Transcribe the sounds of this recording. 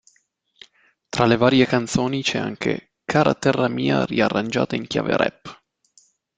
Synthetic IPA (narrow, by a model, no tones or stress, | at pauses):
t̪ɾalevaːɾjekant̪soːnit͡ʃɛa̰ŋkʰḛ | kʰaːɾat̪ɛrːamiːa̰riarːand͡ʒa̰ːt̪aiŋk̟ja̰ːvḛɾɛ̰pː